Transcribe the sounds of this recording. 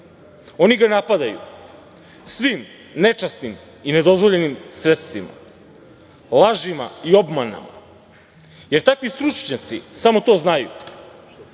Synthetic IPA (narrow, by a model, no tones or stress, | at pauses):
o̞niɡanapad̪ajṵ | sʋim | ne̞t͡ʃasnim | ine̞d̪o̞zʋoʎe̞nimsɾet̪st̪vima̰ | lˠaʒimaiobmana̰ma | je̞ɾt̪akʋist̪ɾut͡ʃɲat̪sisamo̞t̪o̞ːznajṵ